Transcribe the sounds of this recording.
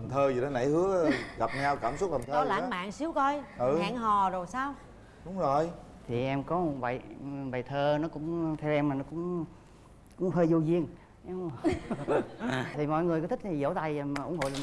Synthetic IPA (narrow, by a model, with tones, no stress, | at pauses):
a˨˩mt̪ʰəː˧zi˨˩ɗe˨˦na̰˧˩˦jhɨ˨˦ə˨˦ɣa˨˩p̚ɲa˧wkaː˧˩msʊ˦˥t̚t̪a˨˩mt̪ʰɔ˧˨˦la̰ː˧˦ma̰ː˧˨ŋsi˨˦wkɔ˧jʔɨː˨˩˧ŋɦɔ˨˩zo˨˩jsaː˧w | ɗʊ˨˦ŋ͡mzo˨˩j | t̪ʰi˨˩ʔɛ˧mkɔ˨˦˨və̰˧˨jɓa˨˩jt̪ʰəː˧nɔ˨˦kʊ̰˧˥ŋ͡mt̪ʰɛ˧wʔɛ˧maː˨˩nɔ˨˦kʊ̰˧˥ŋ͡m | kʊ̰˧˥ŋ͡mɦəː˧jzu˧zi˧ən | ʔɛ˧m | t̪ʰi˨˩mɔ̰˧˨jŋɨ˨˩əjkːt̪ʰi˦˥i˨˩zo̰˧˥˦t̪a˧jm˩ʔʊ˧˥ŋɦo̰˧˨jl